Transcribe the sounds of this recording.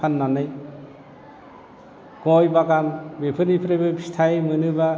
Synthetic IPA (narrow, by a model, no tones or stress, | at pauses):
pʰanːanɯj | ɡ̥ojbaɡambepʰɯnipʰɾebɯpʰi̥st̪ʰajmɯnɯba